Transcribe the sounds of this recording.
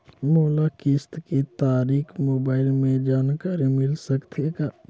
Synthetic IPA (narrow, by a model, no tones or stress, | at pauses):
moːlakɪst̪kit̪aːɾiːxmoːbaːɪlmẽd͡ʒaːnkaɾemɪlsəkt̪ʰeɡaː